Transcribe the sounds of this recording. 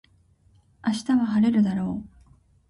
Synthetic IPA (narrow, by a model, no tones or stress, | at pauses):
aɕi̥t̪aβaɦaɾe̞ɾɯ̟d̪aɾo̞ː